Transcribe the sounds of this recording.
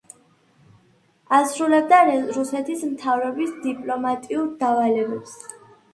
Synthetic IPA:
asɾulɛb̚d̪aɾusɛt̪ʰismt̪ʰavɾɔbisd̪ipʼlɔmat̪ʼiuɾd̪avalɛbɛps

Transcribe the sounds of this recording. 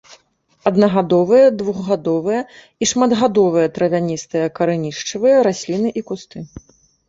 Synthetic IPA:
ɐd̪nɐɣad̪ɔvɨjɐd̪vuɣːad̪ɔvɨjɐ | iʂmɐd̪ɣad̪ɔvɨjɐt̪ɾɐvʲanʲist̪ɨjɐkɐɾɨnʲiʂt͡ʂɨvɨjɐɾasʲlʲinɨʔikust̪ɨ

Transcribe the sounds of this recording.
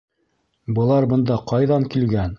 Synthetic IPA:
bɤ̆lˠɑɾbɤ̆nd̪ɑqɑjðɑŋkilɡæn

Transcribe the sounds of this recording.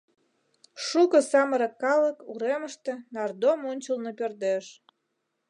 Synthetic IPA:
ʃukə̆sɑməɾə̆kːɑləkuɾeməʃt̪ĕnɑrd̪omonʲt͡ɕəlnopørd̪eʃ

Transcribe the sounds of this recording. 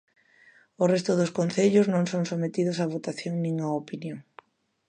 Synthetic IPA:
ʊrest̪ʊðʊskon̟θeʎʊznõŋsõŋsomet̪iðʊsaβ̞ot̪aθjoŋnĩŋaopinjoŋ

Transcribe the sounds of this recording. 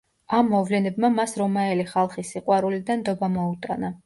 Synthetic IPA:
amːɔvlɛnɛbmamasɾɔmaɛliχalˠχisiqʼwaɾulid̪and̪ɔbamɔut̪ʼa̰na

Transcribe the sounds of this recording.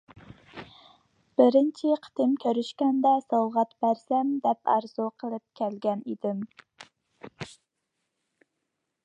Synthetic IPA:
b̥ɪɾɪnt͡ʃʰiqʰə̥t̪ʰɪmkʲʰøɾyʃkʲɛnd̪ɛsɑwʁæt̪bæɾsɛmd̪ɛpɑ̰ɾz̥uqʰəlˠɨp̚kʲʰɛlɡʲɛnid̪ɪm

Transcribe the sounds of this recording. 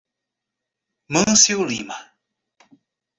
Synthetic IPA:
məŋsiwlima

